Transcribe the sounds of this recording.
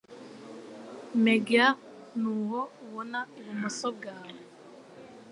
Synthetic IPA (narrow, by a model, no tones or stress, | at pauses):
meɡa | nuɦɔwɔnaɾimɔsɔɡalɔ